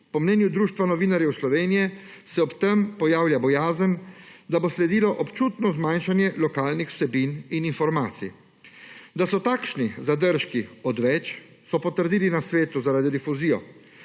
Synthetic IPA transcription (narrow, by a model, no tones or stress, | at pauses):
pɔmnɛːnjud̪ɾuːʃt̪ʋanɔʋiːnaɾjɛwslɔʋeːnijɛsɛɔpt̪ɛmpɔjaːwljabɔjaːzənd̪aboslɛd̪iːlɔʔɔpt͡ʃuːt̪nɔzmajnʃanjɛlɔkaːlnixw̥sɛbinininfɔɾmaːt̪sḭ | d̪asɔt̪aːkʃnizad̪əɾʃkiɔd̪ʋɛt͡ʃ | sɔpɔt̪əɾd̪iːlinasʋeːt̪uzaɾaːd̪id̪ifuziːjɔ̰